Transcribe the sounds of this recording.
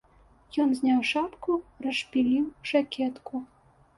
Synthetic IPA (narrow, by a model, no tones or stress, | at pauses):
jɔnzʲnʲawʂapkurɐʂpʲilʲiwʐakʲʰɛt̪ku